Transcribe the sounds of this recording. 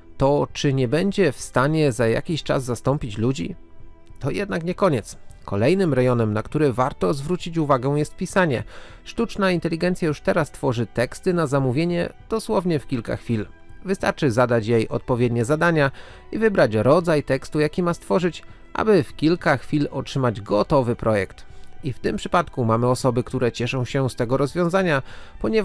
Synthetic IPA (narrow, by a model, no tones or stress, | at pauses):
t̪ɔt͡ʂɘɲɛbɛɲd͡ʑɛfst̪aɲɛzaja̰kʲiɕt͡ʂa̰zːast̪ɔmpʲit͡ɕlud͡ʑḭ | t̪ɔjɛd̪nakɲɛkɔɲɛt̪skʰɔlɛjnɘmɾɛjɔnɛmnakt̪uɾɛvaɾt̪ɔzvɾut͡ɕit͡ɕuvaɡɛw̃jɛst̪̚pʲisaɲɛ̰ | ʂt̪ut͡ʂnaint̪ɛlʲiɡɛnt̪sʲjajuʂt̪ɛɾast̪fɔʐɘt̪ɛkst̪ɘnazamuvʲjeɲɛd̪̥ɔswɔvɲɛfkʲilka̰xfʲil | vɘst̪a̰ɾt͡ʂɘzad̪at͡ɕjejɔt̪̚pɔvʲjed̪ɲɛzad̪aɲa | ivɘbɾat͡ɕɾɔd̪zajt̪ɛkst̪ujakʲimast̪fɔʐɘt͡ɕ | ʔa̰bɘfkʲilkaxfʲilɔtʂɘmad͡ʑɡɔt̪ɔvɘpɾɔjɛkt̪ift̪ɘmpʂɘ̥pat̪kumamɘɔsɔbɘkt̪uɾɛt͡ɕɛʂɔ̃w̃ɕɛst̪ɛɡɔɾɔzvʲjɔ̃w̃zaɲapɔɲɛv